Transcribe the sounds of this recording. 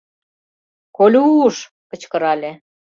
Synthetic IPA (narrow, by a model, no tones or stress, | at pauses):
kolʲuːʃ | kə̆t͡ɕkə̆ɾɑlʲe